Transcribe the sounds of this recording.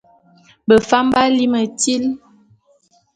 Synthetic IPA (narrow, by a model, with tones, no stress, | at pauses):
bə˨fa˦mba˦li˦mə˨ti˦l